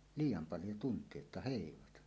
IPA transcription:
liːjˑɑm pɑljo tuntˑie etːæ heˑiʋɑtɑ

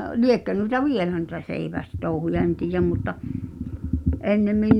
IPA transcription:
liekːø nuĭtɑ ʋielæ nuĭtɑ seiʋæstouhujɑ en tiːjæm mutːɑ ʔenːemːin

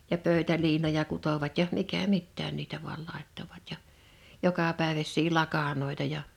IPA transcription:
jɑ pøˑø̝tæliːnojɑ kutoʋɑt jɑ mikæ mitːæːn niːtæ ʋuɑl lɑˑe̝tːoʋɑt jɑ jokɑpæˑeʋæsˑiː lɑkɑnoˑi̞tɑ jɑ

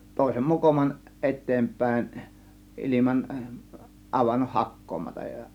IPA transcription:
toˑe̝sem mokomɑn ʔetːeːmpˑæˑe̝n ʔilimɑn ʔɑʋɑnːoh hɑkːoːmɑtɑj jɑ

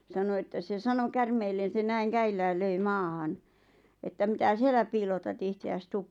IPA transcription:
sɑno etːæ se sɑno kærmeːlːen̞ se næiŋ kæilːæːl løi mɑːhɑn etːæ mĭtæ sielːæ piːlotɑt ihteæs tuːp

